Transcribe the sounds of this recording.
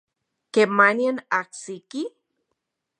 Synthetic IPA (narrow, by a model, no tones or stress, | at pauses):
kemaniənaksiki